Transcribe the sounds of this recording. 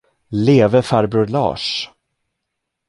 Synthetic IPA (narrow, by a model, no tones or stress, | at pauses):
leːvəfaɾbɵlɑ̰ːʂ